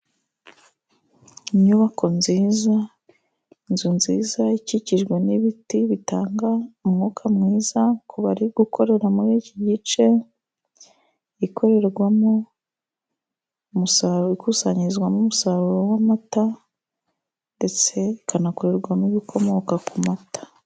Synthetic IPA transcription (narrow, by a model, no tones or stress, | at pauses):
iɲuβakʰo̞nziːza | inzunziːzaiciciʒɡwe̞niβitiβitaːŋɡaumŋokʰamŋiːzakʰuβaɾiɡ̥ukʰo̞ɾe̞ɾamuɾiːciɟit͡ʃe̞ | ikʰo̞ɾe̞ɾɡwamo̞ | musaɾoikusaɲiizɡwamumusaɾuɾowamata | nde̞t͡se̞ikʰanakoɾe̞ɾɡwamiβikʰo̞mo̞kakumatḁ